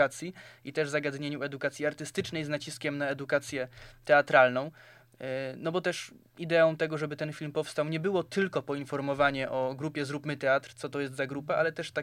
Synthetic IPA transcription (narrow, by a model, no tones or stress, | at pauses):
at̪sʲjiit̪ɛʐzaɡad̪ɲeɲuɛd̪ukat̪sʲiaɾt̪ɘst̪ɘt͡ʂnɛjznat͡ɕiskʲɛmnaɛd̪ukat̪sʲjɛt̪ɛat̪ɾalnɔ̃w̃ | nɔbɔt̪ɛʂ | id̪ɛɔ̃w̃t̪ɛɡɔʐɛbɘt̪ɛnfʲilmpɔfst̪awɲɛbɘwɔt̪ɘlkɔpɔinfɔɾmɔvaɲɛʔɔɡɾupʲjɛzɾupmɘt̪ɛat̪ɾt̪sɔt̪ɔjɛst̪zaɡɾupaʔalɛt̪ɛʂt̪a